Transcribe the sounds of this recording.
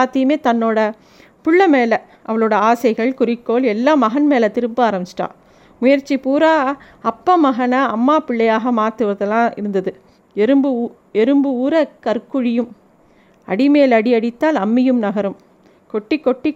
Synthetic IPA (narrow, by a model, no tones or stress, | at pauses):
aːt̪ːɪjɯmeːt̪ɐnːoːɽɐ | pʊɭːɐmeːlɐ | ʔɐʋɐɭoːɽɐaːsɐɪɣɐɭkʊrɪkːoːlɛlːaːmɐɣɐnmeːlɐt̪ɪɾɯmpɯaːɾɐmt͡ʃɪ̥ʈːã̰ː | mʊjɐɾt͡ʃːipuːɾaː | ɐpːɐmɐɣɐnɐːmːaːpɪɭːɐjaːɣɐmaːɾt̪ɯʋɐðɐlːãːɪ̰ɾɯnd̪ɐðɯ | ɛɾɯmbɯ | ɛɾɯmbɯuːɾɐkɐɾkɯɻɪjɯm | ɐ̰ɽɪmeːlɐɽiɐɽɪt̪ːaːlɐmːɪjɯmnɐɣɐɾɯm | kɔʈːɪkːɔʈːɪ